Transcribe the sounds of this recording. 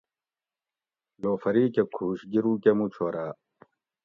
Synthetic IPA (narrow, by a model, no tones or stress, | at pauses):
loːfɐɾiːkekʰuːɕɡiɾuːkemut͡ɕʰoːɾaː